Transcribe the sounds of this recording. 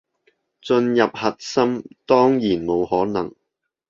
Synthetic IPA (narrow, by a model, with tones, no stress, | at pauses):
t͡sɵ˧njɐ˨p̚hɐ˨t̚sɐ˥mt̪ɔː˥ŋjiː˨˩nmo˨˧whɔː˨˥nɐ̰˨˩ŋ